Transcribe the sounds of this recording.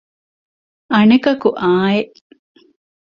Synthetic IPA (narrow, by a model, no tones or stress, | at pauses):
ɐnɐkɐkuʔaːeʔ